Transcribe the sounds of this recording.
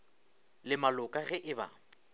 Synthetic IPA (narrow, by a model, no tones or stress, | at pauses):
lɪmalʊkʼaɣɛʔɪba̰